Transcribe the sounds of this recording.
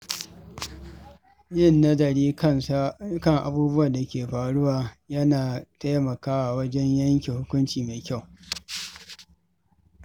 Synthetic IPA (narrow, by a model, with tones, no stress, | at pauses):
jɪ˦˨nːɐ˦dɐ˨ɽiː˦kɐ˦˨ŋʔa̰˨buː˦bʊ˦wa˨da˨kʲeː˨ɸaː˨ɽʊ˦waː˨jɐ˦naː˨ta˦mɐ˨kaː˦wa˨wɐ˦d͡ʒɛ˦ɲjɐ˦ŋkʲe˨hʊ˦kʷʊ˦nt͡ʃiː˨me˨kʲa˦˨w